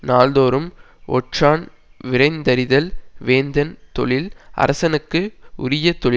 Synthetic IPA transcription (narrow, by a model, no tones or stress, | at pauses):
naːlðoːɾɯm | ɔ̰ʈʂaːn | ʋɪɾɐɪnd̪ɐɾɪðɐlʋeːnd̪ɐnt̪ɔɭɪlɐ̰ɾʔɐsɐnɯkːɯʔʊ̰ɾɪjɐt̪ɔɭɪ